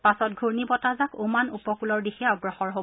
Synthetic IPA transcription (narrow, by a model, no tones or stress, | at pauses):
pasɔt̚ɡʱuɹnibɔtazakomanupɔkulɔɹdixɛɔɡɹɔxɔɹɦo